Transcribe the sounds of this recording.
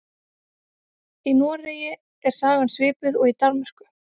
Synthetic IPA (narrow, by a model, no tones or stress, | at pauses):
inuːareːjɪ | ɛɾ̥saːɣansvɪːpʏðɔɣit̪aɾmɛɾ̥kʏ̥